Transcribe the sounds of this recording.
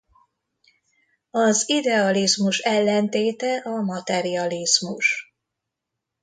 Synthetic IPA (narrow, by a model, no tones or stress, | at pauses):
ɒzid̪ɛɒlizmuʃɛlːɛnt̪eːt̪ɛʔɒmɒt̪ɛɾiɒlizmuʃ